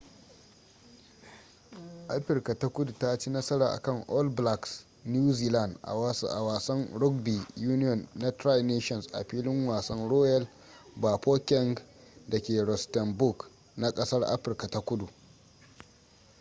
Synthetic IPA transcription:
ʔa˦ɸɪ˨rka˨ta˦kʷʊ˦du˨ta˦t͡ʃi˦nɐ˦sɐ˦ɾaː˨ʔa̰˨kɐ˦˨ŋʔɔ˦lbla˨ks | n˦juː˦ziː˦la˦˨ndʔsʔa˨waː˨sɐ˦ŋɽʊ˦k̚bi˨juː˦nɪ˦jɔ˨nːa˦tɾa˦jneː˦ʃɔ˨nsʔa̰˨ɸiː˦lɪ˦ŋwaː˨sɐ˦nɽoː˦jɐ˦l | baː˨poː˦kʲɛ˦ŋɡdɐ˨kʲeː˨ɾɔ˨stɐ˨mbʊ˦˨k | na˦kʼɐ˦sɐ˦rʔa̰˦ɸɪ˨rka˨ta˦kʷʊ˦du˨ʔ

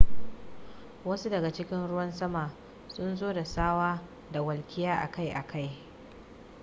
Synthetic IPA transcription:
wɐ˦su˦dɐ˨ɡa˨t͡ʃɪ˦kʲɪ˦nɽʊ˦wɐ˦nsɐ˦maː˨ | sʊ˦nzoː˦da˨saː˦waː˦ | da˨wɐ˨lkʲɪ˦jaː˦ʔa̰˨ka˦jʔa˨kʰa˦j

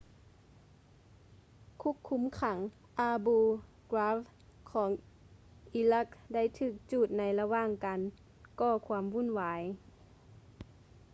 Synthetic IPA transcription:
kʰu˧˥˨kʰːu˧˦mkʰa˩˦ŋ | ʔaː˧buː˧ | kɾaː˧˥f | kʰɔː˩˦ŋ | ʔi˧˦la˧˩k̚da˥˩˨jt̪ʰɯː˧˩k̚t͡ɕuː˧˩t̪̚na˧˥jla˧waː˧˥˨ŋka˨n | kɔː˧˩kʰwaː˧˥mwu˧˥˨nwaː˨˦j

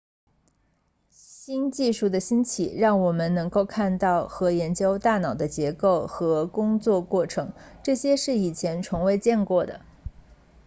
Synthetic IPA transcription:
ɕi˥nt͡ɕi˥˧ʂu˥˩d̪ə˩ɕi˥nt͡ɕʰḭ˨˩ɻɑ˥˩ŋwɔ˨˩mə˦nnɤ˧˥ŋko˥˧ʊkʰa˥˧nt̪ɑ˥˩ʊxɤ˧˥jɛ˧˥nt͡ɕjo˥ʊt̪a˥˩nɑ˨˩ʊd̪ə˦t͡ɕjɛ˧˥ko˥˩ʊxɤ˧˥kʊ˥ŋt͡swɔ˥˧kwɔ˥˩ʈ͡ʂʰɤ˧˥ŋʈ͡ʂɤ˥˩ɕjɛ˥ʂɻ̩˥˩i˨˩t͡ɕʰjɛ˧˥nʈ͡ʂʰʊ˧˥ŋwe˧˥ɪt͡ɕjɛ˥˧nkwɔ˥˩d̪ə̰˩

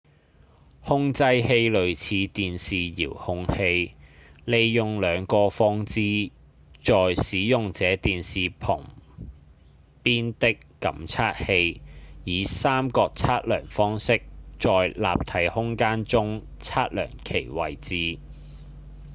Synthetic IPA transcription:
hʊ˥ŋt͡sɐ˥jhe˧jlɵ˨˧ɥt͡sʰiː˨˧t̪iː˨nsiː˨jḭː˨˩whʊ˧ŋhe˧jle˨˧jjʊ˨ŋlœː˨˧ŋkɔː˧fɔː˥ŋt͡siː˥ | t͡ʃɔː˨jsiː˨˥jʊ˨ŋt͡sɛː˨˥t̪iː˨nsiː˨pʰʊ˨˩ŋ | piː˥nt̪ɪ˥kːɐ̰˨˥mt͡sʰaː˥t̚he˧jjiː˨˧˦saː˥mkɔː˧k̚t͡sʰaː˥t̚lœː˨˩ŋfɔː˥ŋsɪ˥k̚t͡ʃɔː˨jla̰ː˨p̚t̪ʰɐ˨˥jhʊ˥ŋkaː˥nt͡sʊ˥ŋ | t͡sʰaː˥t̚lœ̰ː˨˩ŋkʰe˨˩jwɐ˨jt͡siː˧˥

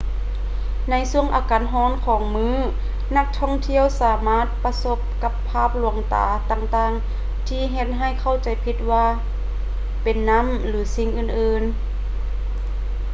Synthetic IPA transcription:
na˧˥˨jsu˧˩əŋʔaː˨˧˦kaː˨˦nɦɔː˧˥˨nkʰɔː˨˦ŋmɯː˧˥˨ | na˧˥k̚t̪ʰɔ˧˥˩ŋt̪ʰi˧˥˨əwsaː˨˦maː˧˥˨t̪̚pa˧so˧˦p̚ka˧pʰːaː˧˥˩p̚lu˧˩˦əŋt̪a̰ː˨˦t̪aː˧ŋt̪aː˧˩ŋ | t̪ʰiː˧˨ɦe˧t̪̚ɦa˧˩˨jkʰa˧˥˩wt͡ɕa˨˦jpʰi˧t̪̚waː˧ | pe˨nːa˧˥˨m | lɯː˨˦si˧ŋʔɯː˧˩nʔɯː˧n

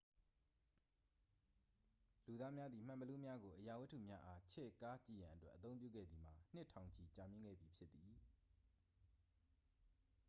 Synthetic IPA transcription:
lu˨d̪a˦mja˦d̪ði˨m̥ã˨mbəlu˦mja˦ɡo˨ʔəja˨wɪ˦tʰːṵ˦˨mja˦ʔa˦t͡ɕʰɛ̰˦˨ka˦t͡ɕḭ˦˨jã˨ʔətwɛ̰˦ʔːət̪θõ˦ʊ̃pjṵ˦˨ɡɛ̰˦˨d̪ði˨m̥a˨n̥ɪ˦tʰã˨ʊ̃ɲt͡ɕʰi˨t͡ɕa˨mjɪ̃˦ŋɡɛ̰˦˨bji˨pʰjɪ˦t̪t̪ːi˨

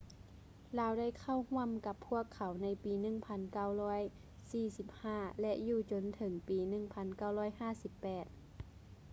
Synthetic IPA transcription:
laː˧˥wda˥˨jkʰa˧˥˩whu˧˥˩əmka˧˦pʰːu˧˥˩əkʰːa˨˩˦wna˧˥jpiː˨˦nɯ˧˩˨ŋpʰa˧˥nka˧˩wlɔː˧˥˩j | siː˧˩si˧˦p̚haː˥˩lɛ˧ʔjuː˧˩t͡ɕo˧˥nt̪ʰɤ˨˧˦ŋpiː˨˧˦nɯ˧˩ŋpʰa˧˥nka˧˩wlɔː˧˥˨jhaː˥˩˨si˧˦pːɛː˨˩t̪̚

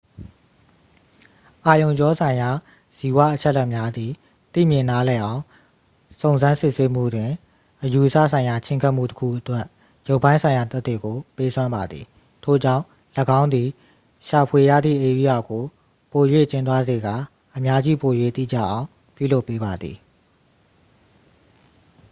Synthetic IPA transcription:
ʔa˨jõ˨ʊ̃ɲd͡ʑɔ˦sʰã˨ɪ̃ja˨ | z̥i˨wa̰˦˨ʔət͡ɕʰɛ˦ʔlːɛ˦ʔmja˦d̪i˨ | t̪ḭ˦˨mjɪ̃˨na˦lɛ˨ʔã˨ʊ̃ | sõ˨ʊ̃nzã˦nsɪ˦ʔse˦m̥ṵ˦˨dwɪ̃˨ | ʔəju˨ʔəsa̰˦˨sʰã˨ɪ̃ja˨t͡ɕʰɪ̃˦ŋkʰa˦ʔm̥ṵ˦˨təkʰṵ˦˨ʔətwɛ˦ʔ | jo˦ʊpːã˦ɪ̃nsʰã˨ɪ̃ja˨t̪ɛ˦t̪ːḛ˦˨ɡo˨pe˦sʰwã˦mba˨d̪ðḭ˨ | tʰo̰˦˨d͡ʑã̰˦˨ʊ̃ | ləɡã˦ʊ̃nd̪i˨ | ʃa˨pʰwe˨jä̰˦˨d̪ðḭ˦˨ʔe˨ɾi˦ja˨ɡo˨ | po˨jwḛ˦˨t͡ɕɪ̃˦nt̪̬wa˦ze˨ɡa˨ | ʔəmja˦d͡ʑi˦po˨jwḛ˦˨t̪ḭ˦˨d͡ʑä̰˦˨ʔã˨ʊ̃ | pjṵ˦˨lo˦pːe˦ba˨d̪ðḭ˨

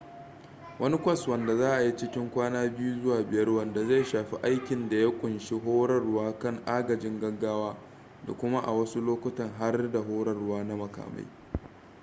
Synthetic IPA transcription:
wʔɐ˦ni˦kʷɐ˦swɐ˨nda˨zaː˦ʔa˨ji˦t͡ʃɪ˦kʲɪ˦ŋkʷaː˦naː˦bɪ˦ju˦zʊ˦waː˨bɪ˨jɐ˦rwɐ˨nda˨za˦˨jʃaː˨ɸi˦ʔa˦jkʲɪ˨nda˨ja˦kʷʼʊ˨nʃi˦ɦoː˦ɽɐ˦rʊ˦waː˦kɐ˦˨ŋʔaː˦ɡɐ˨d͡ʒɪ˦ŋɡɐ˦ɡːaː˦waː˦ | da̰˨kʷʊ˦ma˦ʔa̰˨wɐ˦su˦loː˦kʷʊ˦tɐ˨ŋɦa˦rda˨ɦoː˦ɽɐ˦rʊ˦waː˦na˦mɐ˨ka̰ː˨ma̰˦j

